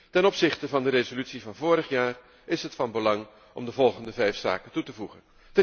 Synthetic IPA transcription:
tɛnɔpsɪχtəvɑndəɾezolytsivɑnvʊːɾəχjaːr | ɪsɦətfɑnbəlɑŋ | ʔɔ̰mdəvɔlˠχəndəvɛjfsa̰ːkətutəvuχə̰n | tə

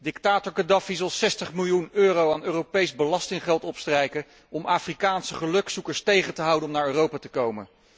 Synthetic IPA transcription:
dɪktaːtɔɹkɑdɑfizɑlˠsɛstəχmɪlˠjunøːrowaːnøːropejzbəlɑstɪŋχɛlˠtɔpstrɛjkə | ɔmʔaːfrikaːnsəχəlɵksukəɹstejχəntəɦɑwdənɔmnaːɹøːrowpaːtəkowmən

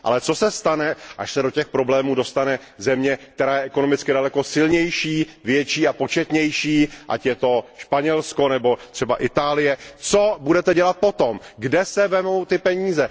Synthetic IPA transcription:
ʔa̰lɛt͡so̞sɛst̪anɛʔaʃsɛdo̞cɛxpɾo̞blɛːmuːdo̞st̪anɛzɛmɲɛkt̪ɛɾaːjɛʔɛko̞no̞mɪt͡skɪdalɛko̞sɪlɲɛjʃiːvjɛt͡ʃiːapo̞t͡ʃɛt̪ɲɛjʃiːʔa̰cjɛt̪o̞ʃpaɲɛlsko̞nɛbo̞t̪r̝̥ɛbaʔɪt̪aːlɪjɛt͡sobudɛt̪ɛɟɛlat̪̚po̞t̪o̞mɡdɛsɛvɛmowt̪ɪpɛɲiːzɛ

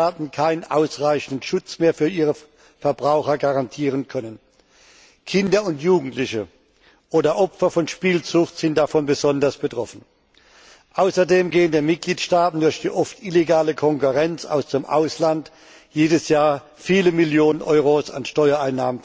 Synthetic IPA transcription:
aːtn̩kʰaɪnənʔaʊsʁaɪçn̩dʃʊt͡smeːɐfyːɐʔiːʁ̞ə | fɛɐbʁaʊxɐɡaʁantʰiːʁ̞ənkʰœnən | kʰɪndɐʊntjuːɡŋ̩tlɪçə | ʔoːdɐʔɔpfɐfɔnʃpiːlt͡sʊχtz̥ɪnt̚d̥afɔnbəzɔndɐsb̥ətʁ̥ɔfn̩ | ʔaʊsɐdeːmɡeːəndeːmɪt̚ɡ̥liːtʃtaːtn̩dʊɐçd̥iːʔɔftʔɪleɡaːləkʰɔŋkuʁɛnt͡sa̰ʊsd̥eːmʔa̰ʊslant | jeːdəsjaːɐ | fiːləmiljoːnənʔɔʏʁosa̰nʃtɔʏɐaɪnːaːmən

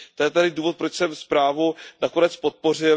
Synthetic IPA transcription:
t̪ojɛt̪adɪduːvo̞t̪̚pɾot͡ʃsɛmspɾaːvunako̞nɛt͡spo̞t̪̚po̞r̝ɪ

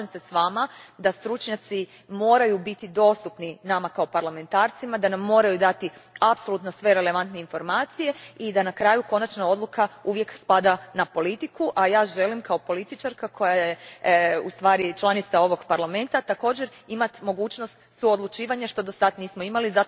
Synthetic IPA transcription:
mse̞sʋaːmad̪ast̪ɾut͡ʃɲat̪si | mo̞ːɾajubit̪id̪o̞ːst̪upninamakaopaɾlame̞nt̪aːɾt̪simad̪anamːo̞ːɾajud̪at̪iapso̞lut̪no̞sʋe̞ɾe̞le̞ʋant̪ne̞info̞ɾmaːt̪sije̞id̪anakɾaːjuko̞nat͡ʃnao̞d̪lˠukʰauʋje̞kspad̪anapo̞lit̪ikuʔajaːʒe̞limkaopo̞lit̪it͡ʃaɾkakʰo̞jajeust̪ʋaːɾit͡ʃlˠanit̪sao̞ʋo̞ɡpaɾlame̞nt̪at̪ako̞ːd͡ʑeɾimat̪mo̞ɡuːt͡ʃno̞st̪suod̪lut͡ʃiːʋaɲaʃt̪o̞d̪osad̪niːsmoimaliza

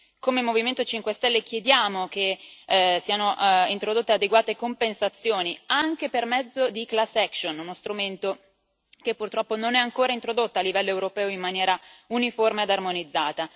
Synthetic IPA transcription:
komemoviment̪ot͡ʃiŋkwest̪ɛlːek̟jed̪jaːmok̟e | siːanoʔint̪ɾod̪ot̪ːead̪eɡwaːt̪ekompensat̪sːjoːniaŋk̟epermɛd̪zːod̪iklasːɛkʃonunost̪ɾument̪o | kepːurt̪ɾɔpːononɛaŋkoːɾaint̪ɾod̪ot̪ːalːivɛlːoewɾopɛːoimːanjɛːɾauniformead̪armonid̪zːaːt̪a

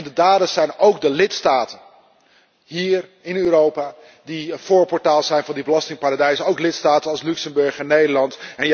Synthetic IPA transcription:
ndədaːdəsɛjnowɡdəlɪtstaːtən | ɦiːrɪnøːɾowpaː | difoːɹpɔɹtaːlˠzɛjnvɑndibəlɑstɪŋpaːɹadɛjsəowklɪtstaːtənɑlˠslyksəmbɵɹχɛnːejdəɹlɑntɛn

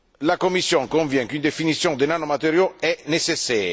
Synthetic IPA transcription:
lakomːisːjɔŋkoɱvjɛ̃ŋkynd̪efinit̪sːjɔ̃ŋd̪enanːomat̪eɾjoɛnesesːɛːj

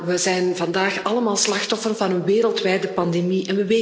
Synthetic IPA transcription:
ʋəzɛjnvɑndaːxɑləmaːlˠslɑxtɔfərnvɑnənʋeːɾəlˠtʋɛːjdəpɑndemiʔɛnʋəʋe

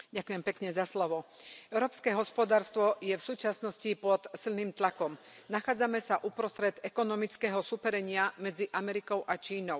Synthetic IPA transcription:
ɟakujɛmpɛkɲɛzaslɔʋɔɛʊɾɔːpskɛɦɔspɔd̪aːɾst̪ʋɔjɛfsuːt͡ʃasnɔscipɔt̪silniːmt̪lakɔm | naxaːd͡zamɛsaʔupɾɔst̪ɾɛd̪ɛkɔnɔmit͡skɛːɦɔsupɛɾɛɲɪamɛd͡ziʔamɛɾikɔʊʔat͡ʃiːnɔʊ

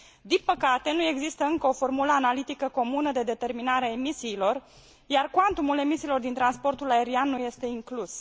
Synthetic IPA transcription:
d̪inpəkat̪e̞nue̞ɡzist̪əɨŋkəo̞fo̞rmuləanalit̪ikəko̞munəd̪e̞d̪e̞t̪e̞rminaɾeaemisiːlo̞r | jarkant̪umule̞misiːlo̞rd̪int̪ɾanspo̞rt̪ulae̞ɾianːuje̞st̪e̞iŋklus

